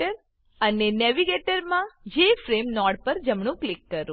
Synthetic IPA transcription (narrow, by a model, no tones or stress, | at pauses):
əɾ | ənenɛʋiɡeʈəɾmãd͡ʒefɾemnɔɽpəɾd͡ʒəmɳ̃ũklikːəɾũ